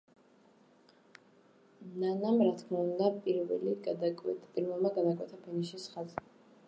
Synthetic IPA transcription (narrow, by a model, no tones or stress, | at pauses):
nanamɾat̪ʰkʰmaund̪apʼiɾvɛ̰liɡad̪kʼɛpʼiɾvɛlˠmaɡad̪akʼwɛt̪ʰapʰɛniʃisχazɛ